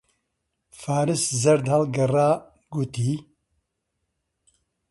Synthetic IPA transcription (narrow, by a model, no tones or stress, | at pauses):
faːɾɨszɐɾd̪hɐlɡɐraː | ɡut̪iː